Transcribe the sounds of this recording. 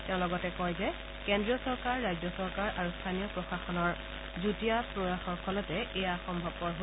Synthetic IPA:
tɛʊ̃lɔɡɔtɛkɔjzɛ | kɛndɹiɔsɔɹkaɹːajzɔsɔɹkaɹʔaɹustʰanijɔpɹɔxaxɔnɔɹ | zutijapɹoɹaxɔɹkʰɔlɔtɛejaxɔmbʱɔb̚kɔɹɦo

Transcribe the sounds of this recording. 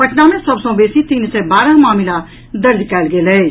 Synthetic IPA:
pɐʈnaːmẽsɐbsõːbeːsit̪insɛːbaːɾãmaːmɪla | d̪ɐɾd̪kɛːlɡeːlɛ

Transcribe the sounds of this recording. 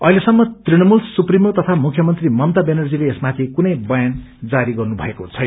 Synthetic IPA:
ʌ̰ɦilesʌmːʌt̪rinʌmulsuprimot̪ʌt̪ʰamukʰjʌmʌnt̪rimʌmt̪abenʌrd͡zileːsmat̪ʰikunʌjbʌjan | d͡zaɾiɡʌrnubʱʌ̰ekot͡sʰʌj

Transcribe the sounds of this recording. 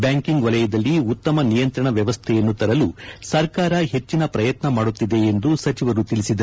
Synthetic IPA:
bjaːŋkiŋɡʋɐlɐjɐd̪ɐlːiut̪ːɐmɐnijɐnt̪ɾɐɳɐʋjɐʋɐst̪ʰɛjɐnːut̪ɐɾɐlusɐɾkaːɾɐɦe̞t͡ʃːinɐpɾɐjɐt̪nɐmaːɽut̪ːid̪e̞ːnd̪usɐt͡ʃiʋɐɾut̪ilisid̪ɐ

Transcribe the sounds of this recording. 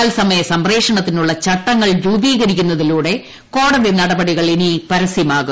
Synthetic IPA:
aːlsɐmɐjɐsɐmreːkʂɐɳɐt̪ːinuɭːɐt͡ɕɐʈːɐŋːɐɭɾuːbiːɣɐɾikʲːunːɐðiluːɽe̞ | ko̞ːɽɐðinɐɽɐbɐɽiɣɐɭinipɐɾɐsimaːɣu

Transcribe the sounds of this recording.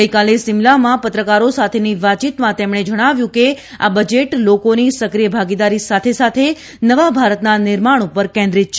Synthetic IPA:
ɡəjkalesɪmlamãpət̪ɾəkaɾosat̪ʰeniʋat͡ʃit̪mãt̪emɽ̃ed͡ʒəɽ̃aʋjũkea̰bəd͡ʒeʈlokonisəkɾijəbʱaɡid̪aɾisat̪ʰesat̪ʰe | nəʋabʱaɾət̪nanɪɾmaɽ̃upəɾkɛ̃nd̪ɾit̪̚t͡ʃʰ

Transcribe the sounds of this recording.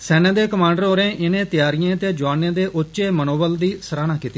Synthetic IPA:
sɛːnẽːd̪eːkəmãːɳɖəɾɦoːɾẽːʔɪnẽːt̪ɪjaːɾijãːt̪eːd͡ʒoaːnẽːd̪eːʔʊʃeːmənoːbəld̪iːsəɾaːnaːkiːt̪iː

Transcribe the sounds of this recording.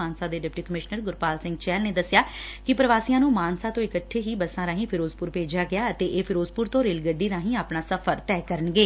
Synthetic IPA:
aːnsãːd̪eːɖɪp̚ʈiːkəmɪʃnəɾɡʊɾpaːlsɪ̃ŋɡt͡ʃɛːlneːd̪əsːjaːkɪpɾəʋaːsiːãːnũːmaːnsaːt̪õːɪkəʈʰːeːɦiːbəsãːɾãːɦĩːpʰɪɾoːzpʊɾpeːd͡ʒaːɡɪjaːət̪eːʔeːpʰɪɾoːzpʊɾt̪õːɾeːlɡəɖːiːnãːɦĩːaːpnaːsəpʰəɾt̪ɛːkəɾənɡeː

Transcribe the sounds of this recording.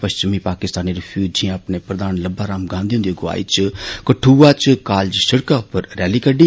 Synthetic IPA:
pəʃt͡ʃɪmipaːkɪst̪aːniɾipʰuːd͡ʒijãːəpnepɾəd̪aːnləbːaɾaːmɡãːnd̪iɦʊnd̪joɡʊa̰ːḭt͡ʃkəʈʰːuːat͡ʃkaːld͡ʒsəɽkaʊpːəɾːɛːlikəɖi

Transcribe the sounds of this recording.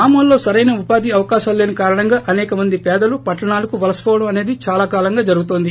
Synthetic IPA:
aːmuːlːo̞ːsɐɾɐjnɐupaːd̪iɐʋɐkaːʃɐmle̞ːnukaːɾɐɳɐŋɡaːʔɐnɛːkɐmɐnd̪ipɛːd̪ɐlupɐʈːɐɳaːlɐkuʋɐlɐspoːʋɐɽɐmɐne̞ːd̪it͡ʃaːlaːkaːlɐŋɡaːd͡ʒɐɾuɡut̪oːnd̪i

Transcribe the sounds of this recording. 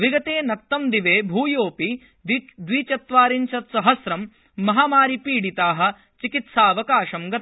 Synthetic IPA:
ʋiɡɐt̪eːnɐk̚t̪ɐmd̪iʋeːbʱuːjoːpi | d̪ʋiːt͡ʃɐt̪ʋaːɾiɲt͡ʃɐt̪sɐɦɐsɾɐmː | ɐɦaːmaːɾipiːɽit̪aːɦɐ̆ | t͡ʃikit̪saːɐʋɐkaːʃɐmɡɐt̪

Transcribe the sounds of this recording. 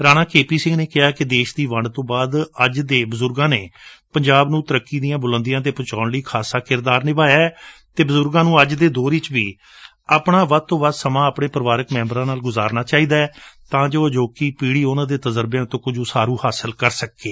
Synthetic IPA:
ɾaːnaːkeːpiːsɪ̃ŋɡneːkɪɦaːkɪd̪eːʃd̪iːʋəɳɖt̪õːbaːd̪əd͡ʒd̪eːbʊzʊɾɡãːneːpəɲd͡ʒaːbnũːt̪əɾəkːiːd̪ijãːbʊlə̃nd̪ɪjãːt̪̬eːpət͡ʃaːɳɽiːkʰaːsaːkɪɾd̪aːɾnɪʋaːjaːɛt̪eːbʊzʊɾɡãːnũːəd͡ʒd̪eːd̪oːɾɪt͡ʃʋiː | aːpɳaːʋəd̪̚t̪õːʋəd̪səmãːəpɳeːpɾəʋaːɾəkmɛ̃ːmbɾãːnaːlɡʊzaːɾnaːt͡ʃaːiːd̪aːɛt̪ãːd͡ʒoːəd͡ʒoːkiːpiːɽiːʊnãːd̪eːt̪əzəɾbjãːt̪õːkʊd͡ʒuːsaːɾuːhaːsəlkəɾsəkːeː

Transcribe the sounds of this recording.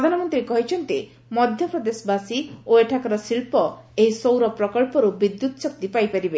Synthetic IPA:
pɾd̪ʱanɔmɔnt̪ɾikɔɦit͡ʃʰɔnt̪i | mɔd̪ʱjɔpɾɔd̪esɔbasioeʈʰakɔɾɔsilpɔeɦisowɾɔpɾɔkɔɭpɔɾubid̪ːut̪ɔsɔk̚t̪ipajpaɾibe

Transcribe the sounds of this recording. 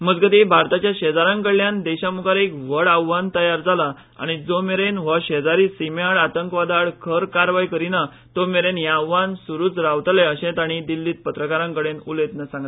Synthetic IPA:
məd͡zɡət̪ibʱaɾt̪at͡ɕjaɕɛd͡zaɾãŋkəɭːjãnd̪ɛɕamukaɾekʋəɽawːant̪əjaɾd͡zala | a̰ɽ̃id͡zomeɾenʋəɕed͡zaɾiːsimaɽat̪əŋkʋad̪aɭkʰəɾkaɾʋajkəɾina | t̪omeɾenjaʋːansuɾuːt͡sɾaʋt̪leəɕẽt̪aɽ̃id̪ilːiːt̪̚pət̪ɾəkaɾãŋkəɽenulet̪nəsãŋɡa

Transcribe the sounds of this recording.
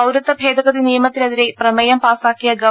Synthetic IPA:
ɐwɾɐt̪ːɐbʱe̞ːd̪ʱɐɣɐðinijɐmɐt̪ːilɐðiɾe̞prɐmɐjɐmpaːsaːkːijɐɡɐ

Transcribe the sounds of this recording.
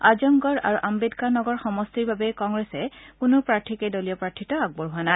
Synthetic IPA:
azɔŋɡɔɹa̰ɹuʔambedkaɹnɔɡɔɹxɔmɔstiɹbabɛkɔŋɡɹɛsɛkʊnʊpɹaɹtʰikedolijɔpɹaɹtʰitɔaɡ̚bɔɹɦʊana

